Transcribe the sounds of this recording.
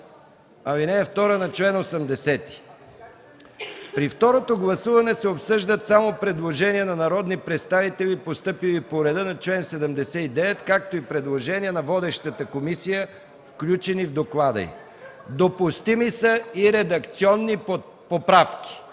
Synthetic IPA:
ɐminɛːft̪ɔɾənɐt͡ʃlɛnosɐmd̪ɛsɛt̪i̥ | pɾift̪ɔɾot̪oɡlˠɐsuvɐnɛsɛopsɤʒd̪ət̪samopɾɛd̪lˠoʒɛniɛnɐnɐɾɔd̪nipɾɛt̪st̪avit̪ɛlʲipost̪ɤpilipoɾɛd̪ənɐt͡ʃlɛnsɛd̪əmd̪ɛsɛid̪ɛvɛt̪kakt̪oipɾɛd̪lˠoʒɛniɛnɐvɔd̪ɛʃt̪ət̪əkomisijə | fklʲut͡ʃɛnivd̪oklˠad̪ə̰ḭ | d̪opʊst̪imisəiɾɛd̪ɐkt̪siɔnːi | popɾafk̟ʲi̥

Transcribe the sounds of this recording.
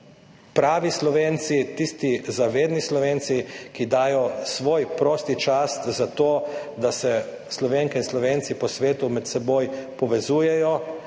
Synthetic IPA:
pɾaːʋislɔʋeːnt̪sit̪ist̪izaʋeːd̪nislɔʋeːnt̪sikid̪aːjɔsʋoːjpɾoːst̪it͡ʃast̪zat̪oːd̪asɛ | slɔʋeŋkɛinslɔʋeːnt̪sipɔsʋeːt̪umɛt̪sɛboːjpɔʋɛzuːjɛjɔ

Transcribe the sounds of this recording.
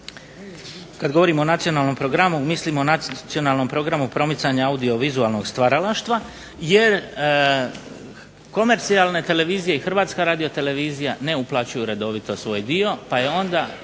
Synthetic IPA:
kad̪ɡo̞ʋo̞ɾiːmoːnat̪sijo̞naːlˠno̞mpɾo̞ɡɾamumislimonat̪sio̞naːlˠno̞mpɾo̞ɡɾamupɾo̞mit̪saɲaaud̪io̞ʋizualˠno̞ɡst̪ʋaɾalaʃt̪ʋa | je̞ɾ | ko̞me̞ɾt̪sialˠne̞t̪e̞le̞ʋiːzijeixr̩ʋaːt̪skaɾaːd̪ijo̞t̪e̞le̞ʋiːzijane̞uplˠat͡ɕujuɾe̞d̪o̞ʋit̪o̞sʋo̞ːjd̪io̞paje̞o̞nd̪a

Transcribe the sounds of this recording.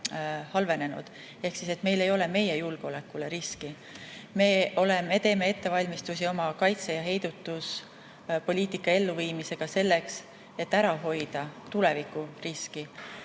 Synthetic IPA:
hɑlve̞ne̞nṵd̪̥ | e̞hksise̞t̪me̞jle̞jo̞le̞me̞jejulɡ̥eole̞kːˑule̞ɾiski | me̞ːo̞leme̞t̪e̞ːme̞e̞t̪ːe̞vɑlʲmist̪usio̞mɑkɑjt̪se̞jɑɦe̞jd̪̥ut̪ːus | po̞lʲiːt̪ikːˑɑe̞lːuviːmise̞ɡ̥ɑse̞lːe̞ks | e̞t̪ːæɾɑɦo̞jd̪̥ɑt̪ule̞vikuriski

